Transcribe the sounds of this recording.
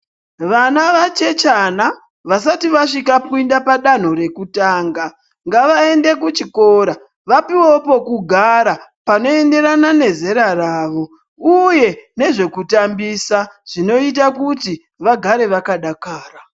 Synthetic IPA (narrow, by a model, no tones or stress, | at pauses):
ʋanaʋat͡ʃe̞t͡ʃana | ʋas̬atiʋaʂikapuindapaɗan̤o̞ɾe̞kutaːŋɡa | ŋɡaʋae̞nde̞kut͡ʃiko̞ːɾa | ʋapiwopo̞kuɡʱaɾapano̞e̞nde̞ɾanane̞ze̞ɾaraːʋo̞ | uje̞ne̞ʐe̞kutambisaʐ̥ino̞it̬akuti | ʋaɡʱaɾe̞ʋakaɗakaːra